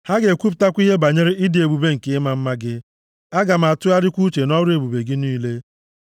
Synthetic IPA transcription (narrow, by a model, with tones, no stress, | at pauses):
ha˦ɡe˨kʷu˦pta˦kʷi˦ɦe˦ba˨ɲe˦ɾɪ˦ɪ˦dɪ˨e˨bu˨be˦ŋ̩˨ke˨˦ɪ˦ma˨m̩˦ma˦ɡɪ˦ | a˦ɡa˨m̩˨a˨tʊ˦a˦dɪ˦kʷu˦t͡ʃe˨nɔ˦ɾe˨bu˨be˨ɡɪ˦niː˦le˦